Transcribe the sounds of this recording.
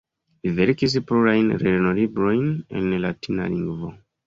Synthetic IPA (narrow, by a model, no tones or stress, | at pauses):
liveɾkis̬pluɾajnɾeɾno̞libɾo̞jne̞̰nlatina̰liŋɡvo̞